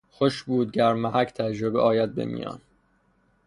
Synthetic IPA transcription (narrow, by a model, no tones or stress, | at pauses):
xoʃbuːd̪̚ɟæɾmːæhækʰt̪ʰæd͡ʒɾobḛʔɒːjæd̪̚bḛmḭːjɒ̰ːn